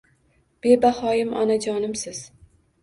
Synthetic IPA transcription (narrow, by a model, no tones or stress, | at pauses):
b̥e̞bahɒjɪmɒ̰nad͡ʒɒnɪmsɪz̥